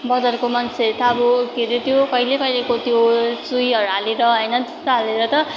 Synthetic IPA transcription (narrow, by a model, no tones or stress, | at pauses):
bʌdʌrkomʌnset̪ʰabukeɾet̪jokʌjlekʌilekot̪jot͡sujɦʌɾuɦaleɾʌɦʌjnʌd͡zʌst̪oɦaleɾʌt̪ʌ